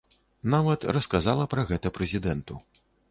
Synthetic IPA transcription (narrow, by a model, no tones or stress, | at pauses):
navɐt̪rɐskazalˠɐpɾɐɣɛt̪ɐpɾɛzʲid̪ɛnt̪u